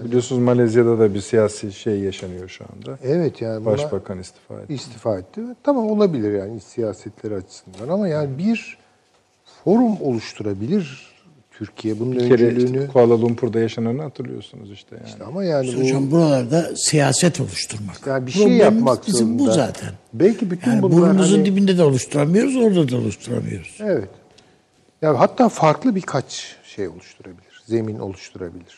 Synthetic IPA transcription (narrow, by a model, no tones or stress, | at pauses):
bbilʲijosunuzmalʲazijad̪ad̪abiɾsijaːsiʃejːaʃanɯjo̞ʃua̰nd̪aɛvɛt̪ʰjaːnibbaʃʃbakʰanist̪ʰi̥fa̰ːɛ̰ist̪ʰifaːɛt̪lʲiɛt̪ʰamamo̞lˠabilʲiɾjaːnisijaːsɛt̪lʲeɾiat͡ʃʰɯ̥sɯnd̪anamajaːnibiɾ | fo̞ɾumo̞lˠuʃt̪ʰuɾabilʲiɾ | t̪ʰyɾcʰijɛbununeɾɛlʲyːnykʰualˠalˠumpʰuɾd̪ajaʃanɯɾnɯat̪ʰɯɾlˠɯ̰jo̞sunṵziʃt̪ʰɛ̰ja̰ːnamajaːnioambuɾalˠaɾd̪asijaːsɛt̪ʰo̞lˠuʃt̪ʰuɾmakjaːnbiʃɾoejjaamimmakzbizoimunbuzza̰ːt̪ʰɛ̰nbɛlʲcʰibyt̪jayːnibuɾmuzund̪ibind̪ɛd̪ɛo̞lˠuʃt̪ʰuɾamɯjo̞ɾuzo̞ɾd̪ad̪ao̞̰luʃt̪ʰuɾa̰mɯ̰jo̞̰ɾuz̥evɛt̪ | jaɦat̪ːaːfaɾklˠɯbikʰat͡ʃʃejo̞̰lˠuʃt̪ʰuɾabilʲiɾ̥ze̞minʔo̞̰lˠuʃt̪ʰuɾa̰bilʲiɾ̥